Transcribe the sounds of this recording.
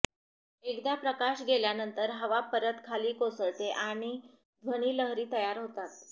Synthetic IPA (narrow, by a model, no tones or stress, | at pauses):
ekd̪japɾəkaɕɡeljanənt̪əɾɦəʋapəɾət̪kʰaliːkosəɭt̪eʔaɽ̃i | d̪ʱʋəɽ̃iːləɦɾiːt̪əjaɾɦot̪at̪̚